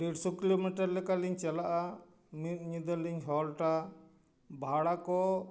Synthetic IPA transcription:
ɾeɖsukilomiʈəɾlɛkaliɲt͡ʃɛlaʔa | mit̪̚ɲid̪əɾliɲɦɔlʈa | bʱaɽakɔ

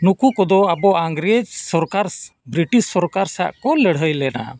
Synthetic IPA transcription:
nukukɔd̪ɔabɔʔaŋɡɾɛd͡ʒsɔɾkaɾbɾiʈissɔɾkaɾsa̰ʔkɔləɽ̤ɦəjlɛna̰

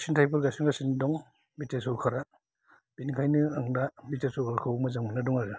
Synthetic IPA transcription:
sintʰajpʰɔɾɡasinɡasindɔŋ | bitesɔwkʰaɾa | b̥inkʰajnɯaŋdabitesɔwkʰaɾkʰawmazaŋmɯnadɔŋaɡɯ

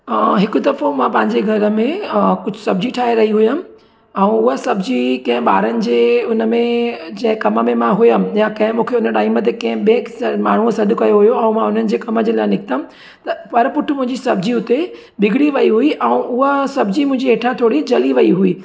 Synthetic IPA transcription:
ɦɪkʊ̆d̪ɐfomãpɐ̃ɦɪ̃ɲd͡ʑeɡʱɐɾə̆mẽkʊd͡ʑʱʊsɐb̚ʱd͡ʑiʈʰaːɦeɾɐɦiɦʊjəm | ɛ̃ũʊɦəsɐbʱd͡ʑikɐ̃ɦɪ̃ɓaːɾənɪ̆d͡ʑeːʊnəmẽd͡ʑɐ̃ɦɪ̃kɐməmẽmãɦʊjəmjakɐ̃ɦɪ̃mũːkʰeʊnəʈaːimət̪̬ekɐ̃ɦɪ̃ɓeːkmaːɳ̤usɐd̪ʱʊ̆kɐjoɦʊjoɛ̃ːmãʊnənɪ̆d͡ʑeːkɐməd͡ʑelaːɪnɪkɪt̪əmɪ̆ | t̪ɐpɐɾpʊʈʰʊmʊ̃ɦɪ̃ɲd͡ʑisɐbd͡ʑiʊt̪e | bɪɡʱɪɽiʋɐiɦuiʔɛ̃ũʔʊɦəsɐbʱd͡ʑimʊ̃ɦɪ̃ɲd͡ʑieːʈʰãt̪ʰoːɽid͡ʑɐliʋɐiɦuiː

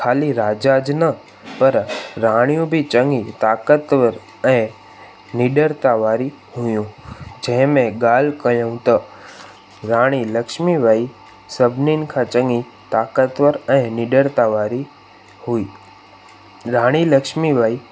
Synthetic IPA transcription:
kʰaːliɾaːd͡ʒad͡ʒnə | pəɾɾaːɽ̃ijũbʱit͡ʃəŋɡit̪aːkət̪ʋəɾ | ɛ̃ | nɪɖəɾt̪aʋaːɾi | ɦʊjũd͡ʒɛ̃ɦɪ̃mẽɡaːlkəjõt̪ə | ɾaːɽ̃iləkʃmiʋaːi | səbʱninkʰãt͡ʃə̃ŋɡi | t̪akət̪ʋəɾɛ̃nɪɖəɾt̪aʋaːɾi | huiː | ɾaːɽ̃iləkʃmiʋaːi

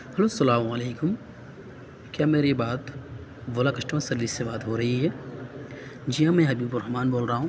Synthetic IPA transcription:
hɐloːsɐlaːmɐleːkʊm | kjaːmeːɾebaːt̪ʋolakɐʃʈmãsɐɾliseʋaːd̪ɦoɾɐɦiɦɛː | d͡ʒiɦãmɛ̃ɦɐbiːbʊɾɐɦmaːnboːlɾɐɦũː

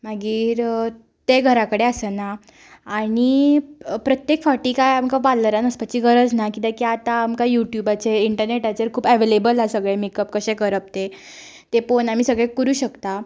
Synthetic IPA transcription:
maɡiːɾ | t̪eɡʱəɾakəɽeəsənaː | ɽ̃i | pɾət̪jekfaʈiːkajamkaʋaləɾanəspət͡ɕiːɡʱəɾəd͡znakit̪akjat̪aːmkajuʈjubat͡seiɳʈəɾneʈat͡ɕeɾkʰuːbɛʋelebəlasəɡɭemikəp̚kəɕẽkəɾəp̚t̪e | t̪eponamiːsəɡɭekəɾuːɕəkt̪a

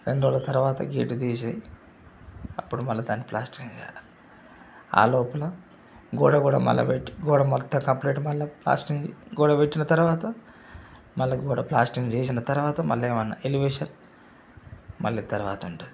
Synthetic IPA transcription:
ɾeɳɖoːlɐt̪ɐɾuʋaːt̪ɐ̰ɡḛːʈud̪iːs̬aːji | ɐpːuɽumɐlːɐd̪aːnːiplaːsʈiŋɡt͡ʃɛ̰jal | a̰ːloːpɐlɐ | ɡuːɽaɡuːɽa̰ːmɐ̰lːɐ̰ʋeʈːiɡuːɽaːmɔt̪ːɐkɐmpleːʈumɐlːɐpla̰ːsʈiŋɡɡuːɽaːpeʈːinɐt̪ɐɾuʋaːt̪ɐ | mɐlːɐɡuːɽa̰ːplaːsʈiŋɡt͡ʃeːs̬inɐt̪ɐɾuʋaːt̪ɐmɐ̰lːeːʋɐnːɐ̰ʔeliʋeːʂɐn | mɐ̰lːiːt̪ɐɾuʋaːt̪ɐuɳʈad̪i

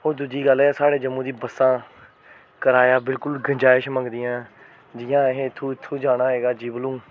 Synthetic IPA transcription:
ɦoːɾd̪ʊd͡ʒiːɡəlɛːsaːɽeːd͡ʒəmːũːd̪iːbəsːãː | kəɾaːjaːbɪlkʊlɡə̃ɲd͡ʒaːɪʃmə̃ŋɡd̪ɪjãː | d͡ʒɪjãːɦeɪt̪ʰːũːɪt̪ʰːũːd͡ʒaːɽ̃aːɦɛːɡaːd͡ʒiːbəlũː

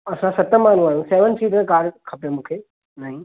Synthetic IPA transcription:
ɐsãsɐt̪əmaːn̤ũaːjũseːʋənt͡ʃiːʈəɾkaːɖkʰɐpẽmũːkʰe | naːɦĩ

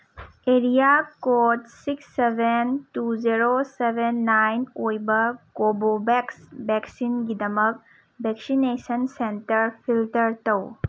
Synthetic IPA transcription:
eɾijakotsiksːebʱentuzeɾosebʱenːajnojbɐkobobɛksbɛksinɡidɐmək̚ | bɛksinesənsentɐɾpʰiltɐɾtɐw

